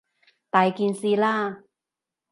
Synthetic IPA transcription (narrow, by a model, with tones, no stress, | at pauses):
t̪aː˨˧jki˧nsi˧laː˧˥˩